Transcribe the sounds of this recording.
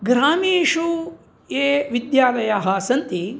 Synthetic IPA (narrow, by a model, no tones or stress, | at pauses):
ɡɾaːmiːʃu | eːʋid̪jaːlɐjaɦɐsɐnt̪i